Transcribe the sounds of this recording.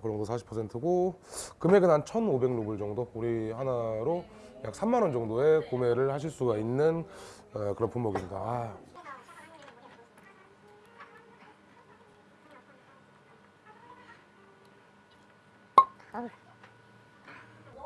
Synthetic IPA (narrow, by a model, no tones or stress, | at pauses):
kɯɾʌŋdosʰaɕʰi̥pʰːʌsʰe̞ntʰɯɡo | kɯme̞ɡɯnant͡ɕʰʌnobe̞ŋnobuɭd͡ʑʌŋdouɾihanaɾo | jak̚s͈ʰamːanʌnd͡ʑʌŋdoe̞kome̞ɾɯɭhaɕ̬ʰiɭs͈uɡainːɯn | kɯɾʌnpʰumoɡimɲida̰